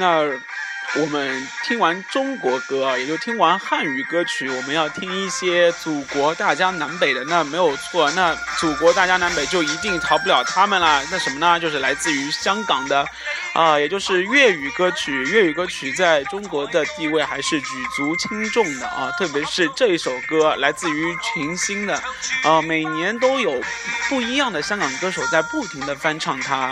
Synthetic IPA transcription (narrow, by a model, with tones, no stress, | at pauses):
na˥˩ | wɔ˨˩mə˦nt̪ʰi˥ŋwa˧˥nʈ͡ʂʊ˥ŋkwɔ˧˥kɤ˥˨jɛ˨˩t͡ɕjo˥˩ʊt̪ʰi˥ŋwa˧˥nxa˥˩ny˨˩kɤ˥t͡ɕʰy˧˥wɔ˨˩mə˦njɑ˥˩ʊt̪ʰi˥ŋi˥˩ɕjɛ˥t͡su˨˩kwɔ˧˥t̪a˥˩t͡ɕja˥na˧˥npe˨˩ɪd̪ə˦na˥˩me˧˥ɪjo˨˩ʊt͡sʰwɔ˥˩na˥˩t͡su˨˩kwɔ˧˥t̪a˥˩t͡ɕja˥na˧˥npe˨˩ɪt͡ɕjo˥˩ʊi˧˥t̪i˥˩ŋt̪ʰɑ˧˥ʊp̬u˥ljɑ˨˩ʊt̪ʰa˥mə˨nlə˩na˥˩ʂə˧˥nmə˧nə˨t͡ɕjo˥˧ʊʂɻ̩˥˩la˧˥ɪt͡sɹ̩˥˩y˧˥ɕjɑ˥ŋkɑ˨˩ŋd̪ə˦ | ə˧jɛ˨˩t͡ɕjo˥˧ʊʂɻ̩˥˧ɥɛ˥˩y˨˩kɤ˥t͡ɕʰy˨˩ɥɛ˥˩y˨˩kɤ˥t͡ɕʰy˨˩t͡sa˥˩ɪʈ͡ʂʊ˥ŋkwɔ˧˥d̪ə˧t̪i˥˧we˥˩ɪxa˧˥ɪʂɻ̩˥˩t͡ɕy˨˩t͡su˧˥t͡ɕʰi˥ŋʈ͡ʂʊ˥˩ŋd̪ə̰˩ʔɐ̰˧˩t̪ʰɤ˥˩p̬jɛ˧˥ʂɻ̩˥˧ʈ͡ʂɤ˥˧i˥˩ʂo˨˩ʊkɤ˥la˧˥ɪt͡sɹ̩˥˩y˧˥t͡ɕʰi˧˥ŋɕi˥ŋd̪ə˨ə˧me˨˩ɪnjɛ˧˥nt̪̬o˥ʊjo˨˩ʊ | pu˥˩i˧˥jɑ˥˩ŋd̪ə˩ɕjɑ˥ŋkɑ˨˩ŋd̪ə˧kɤ˥ʂo˨˩ʊt͡sa˥˧ɪpu˥˩t̪ʰi˧˥ŋd̪ə˧fa˥nʈ͡ʂʰɑ˥˩ŋt̪ʰa˥